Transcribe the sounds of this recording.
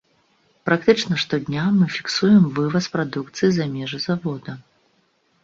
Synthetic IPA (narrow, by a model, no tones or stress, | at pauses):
pɾak̚t̪ɨt͡ʂnɐʂt̪ɔd̪ʲnʲamɨfʲi̥ksujɛmvɨvɐspɾad̪ukt̪sɨjizamʲɛʐɨzavɔd̪ɐ